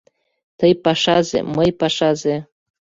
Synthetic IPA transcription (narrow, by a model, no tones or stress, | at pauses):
t̪ɤjpɑʃɑzḛməjpɑʃɑze